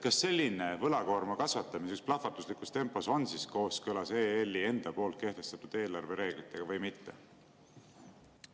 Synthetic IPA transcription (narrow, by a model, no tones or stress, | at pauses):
kɑsːe̞lʲːine̞vɤlɑko̞ːrmɑkɑsvɑt̪ːˑɑmisyksplɑt̪fɑt̪ːˑuslikˑust̪e̞mpːˑo̞so̞nsisko̞ːskɤlɑseːelʲːie̞nd̪̥ɑpo̞ːlt̪̚ke̞ht̪e̞st̪ɑt̪ːud̪̥e̞ːlɑrve̞ɾe̞ːɡ̥lit̪ːˑe̞ɡ̥ɑvɤjmit̪ːe̞̰